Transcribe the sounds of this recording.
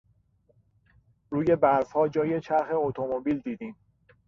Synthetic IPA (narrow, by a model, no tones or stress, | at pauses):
ɾuːje̞bæɾzhɒːd͡ʒɒːjet͡ʃʰæɾxe̞ot̪ʰomobiːld̪iːd̪iːm